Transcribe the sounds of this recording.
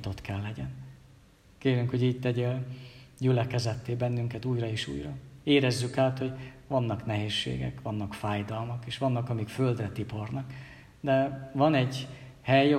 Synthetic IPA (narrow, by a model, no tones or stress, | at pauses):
t̪ot̪kɛlːɛɟɛn | keːɾyŋkho̞ɟiːɟ̚t̪ɛɟølɟylɛkɛzɛt̪ːeːbɛnːyŋkɛt̪uːjrɒeːʃṵːjrɒeːɾɛzːykaːt̪ho̞ɟvɒnːɒknɛɦeːʃːḛːɡɛ̰kʋɒnːɒkfaːjd̪ɒlmɒkeːʃʋɒnːɒkɒmikføld̪rɛt̪ipo̞rnɒk | d̪ɛvɒnɛɟ | hɛj